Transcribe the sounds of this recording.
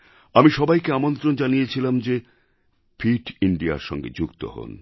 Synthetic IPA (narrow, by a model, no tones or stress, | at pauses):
amiʃɔbajkeamont̪ɾond͡ʑanijet͡ɕʰilamd͡ʑe | pʰiʈiɳɖia̰ɾʃɔ̰ŋɡḛd͡ʑukt̪o̰ho̰n